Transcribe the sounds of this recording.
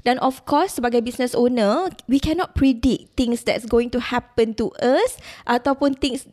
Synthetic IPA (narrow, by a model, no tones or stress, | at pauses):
dɛ̃nʔɔfkʰɔsːəbaɡajbisnəsonəwikʰɛ̃nɔt̚pʰɹidik̚t̪ĩŋsdɛ̰tsɡoĩŋtuhɛpə̃ntuʔəsʔat̪apũnt̪ĩŋs